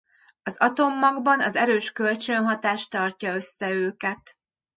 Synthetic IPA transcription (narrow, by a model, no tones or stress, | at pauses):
ɒzɒt̪omːɒɡbɒnɒzɛɾøːʃkø̞lt͡ʃønɦɒt̪aːʃt̪ɒrcɒø̞sːɛøːkɛt̪